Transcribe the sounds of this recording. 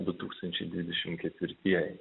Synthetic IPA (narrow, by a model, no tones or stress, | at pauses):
d̪ʊt̪uːkst̪ɐnʲt͡ʃʲɛɪd̪ʲʋʲɪd̪ʲɛʃʲɪmkʲɛt̪ʲʋʲɪɾʲt̪ʲiɛjɛ